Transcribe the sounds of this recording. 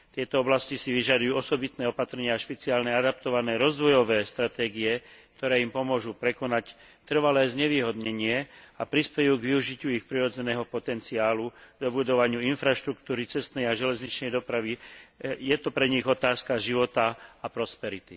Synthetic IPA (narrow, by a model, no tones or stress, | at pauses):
t̪ɪɛt̪ɔɔblascisiʋiʒad̪ujuːɔsɔbit̪nɛːɔpat̪ɾɛɲɪaʃpɛt͡siaːlnɛad̪ap̚t̪ɔʋanɛːɾɔzd̪ʋɔjɔʋɛːst̪ɾat̪ɛːɡiɛk̚t̪ɔɾɛːimpɔmʊɔʒupɾɛkɔnac | t̪r̩ʋalɛːzɲɛʋiːɦɔd̪ɲɛɲɪɛapɾispɛjuːɡʋiuʒicɪuixpɾiɾɔd͡zɛnɛːɦɔpɔt̪ɛnt͡siaːluɡd̪ɔbud̪ɔʋaɲɪuinfɾaʃt̪ɾukt̪uːɾit͡sɛst̪nɛjaʒɛlɛzɲit͡ʃnɛjd̪ɔpɾaʋijɛt̪ɔpɾɛɲiɣɔt̪aːskaʒiʋɔt̪aapɾɔspɛɾit̪ḭ